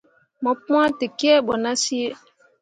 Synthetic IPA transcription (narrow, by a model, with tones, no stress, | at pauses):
mɔ˨p̚ũ˦ã˦te˨ki˦ɛ˦ɓɔ˨na˦si˦e˦